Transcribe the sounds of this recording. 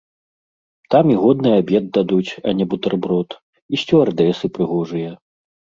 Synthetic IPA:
t̪amiɣɔd̪̚nɨjabʲɛd̪̚d̪ad̪ut͡sʲɐnʲɛbut̪ɐrbɾɔt̪ | isʲt͡sʲɔard̪ɛsɨpɾɨɣɔʐɨjɐ

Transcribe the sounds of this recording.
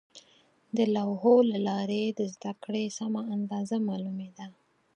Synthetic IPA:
d̪əlawɦolalɑɾed̪əzd̪akɽesamaand̪ɑzamɑlumed̪a

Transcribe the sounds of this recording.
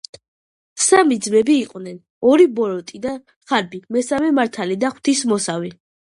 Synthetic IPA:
samid̪zmɛbiːqʼvnɛn | ɔɾibɔɾɔt̪ʼid̪a | χaɾbimɛsamɛmaɾt̪ʰalid̪aχw̥t̪ʰismɔsavi

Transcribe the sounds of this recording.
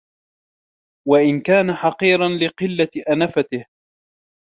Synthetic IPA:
waʔɪnkaːnaħɑqiːɾɑnlɪqɪlːaʔanafat̪ɪh

